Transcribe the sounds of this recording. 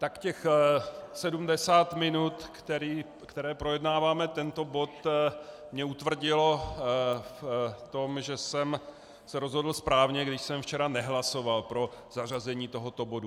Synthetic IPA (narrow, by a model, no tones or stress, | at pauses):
t̪akcɛx | sɛdumdɛsaːt̪mɪnut̪t̪ɛɾiː | kt̪ɛɾɛːpɾojɛdnaːvaːmɛt̪ɛnt̪o̞bo̞t̪ | mɲɛut̪vr̩ɟɪlo̞ | ft̪o̞mʒɛsɛm | sɛɾo̞zɦo̞dl̩spɾaːvɲɛɡdɪʃsɛmft͡ʃɛɾanɛɦlaso̞valpɾoz̥ar̝azɛɲiːt̪o̞ɦo̞t̪o̞bo̞du